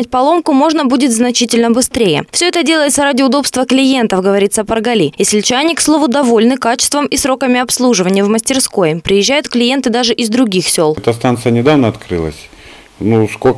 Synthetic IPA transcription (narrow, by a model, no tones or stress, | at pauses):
æt̚ʲpɐlˠo̞mkʊmo̞ʐnəbudʲɪt̪znɐt͡ɕitʲɪlʲnəbɨst̪ɾʲejə̰fsʲɵɛt̪ədʲe̞lˠəjɪt̪səɾadʲɪʊd̪o̞pst̪vəklʲɪje̞nt̪əfɡəvɐɾʲit̪səpərɡɐlʲijesʲlʲt͡ɕɪanʲɪkslˠo̞vʊd̪ɐvo̞lʲnɨkat͡ɕɪ̥st̪vəmisɾo̞kəmʲɪɐpslˠuʐɨvənʲɪjəvməsʲtʲɪrsko̞jəpɾʲɪjɪʑːæjʊt̪klʲɪje̞nt̪ɨd̪aʐɨʔɪzd̪ɾʊɡʲixsʲo̞lˠɛt̪əst̪ant̪sɨjənʲɪd̪avnəɐt̪kɾɨ̰lˠə̰sʲ | nuskok